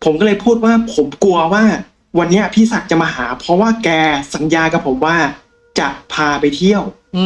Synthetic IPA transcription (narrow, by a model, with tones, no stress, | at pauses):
pʰo˩˦mkɔː˥˩lɤː˧jpʰuː˥˩t̪̚waː˥˩pʰo˩˦mku˧ɐwaː˥˩ | wa˧nːi˦˥a˨˩pʰiː˥˩sa˨˩t̪̚t͡ɕa˨˩maː˧ɦaː˩˦pʰɾɔ˦˥waː˥˩kɛː˧sa˩˦njaː˧ka˨˩pʰːo˩˦mwaː˥˩ | t͡ɕa˨˩pʰaː˧pa˧jt̪ʰi˥˩əw